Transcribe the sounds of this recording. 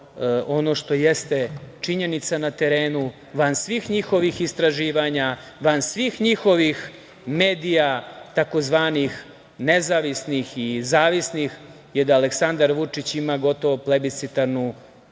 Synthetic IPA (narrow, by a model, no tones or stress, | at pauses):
o̞no̞ʃt̪o̞jest̪et͡ʂiɲe̞nit̪sanat̪e̞ɾe̞ːnu | ʋansʋixɲixo̞ʋixist̪ɾaʒiːʋaɲa | ʋansʋixɲixo̞ʋix | meːd̪ijat̪ako̞zʋaːnix | nezaʋisnixizaːʋisnix | jed̪aːleksand̪aɾʋut͡ʂit͡ɕimaɡo̞t̪o̞ʋoplebit̪sit̪aɾnu